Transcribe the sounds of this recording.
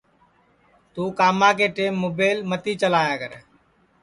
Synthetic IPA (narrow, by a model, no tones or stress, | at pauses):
t̪uːkaːmãːkeːʈeːmːoːbeːɪlmət̪iːt͡ʃəlaːjaːkə̰ɾ